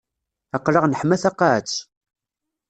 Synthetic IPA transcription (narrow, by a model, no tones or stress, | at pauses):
æqːləʁnəħmæθɑqːaʕt͡sː